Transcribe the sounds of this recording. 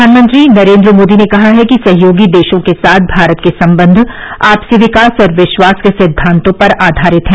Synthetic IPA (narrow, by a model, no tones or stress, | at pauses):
aːnmə̃nt̪ɾinɐɾẽːnd̪ɾəmoːd̪inekɐɦaɦɛkisɐɦjoːɡid̪eːʃõkesaːt̪̚ʰbʱaːɾət̪kesɐ̃mbə̃nd̪ʱaːpseʋɪkaːsɔɾʋɪʃʋaːskesɪd̪ʱːãːnt̪õpɐɾaːd̪ʱaːɾɪt̪ɦɛ̃ː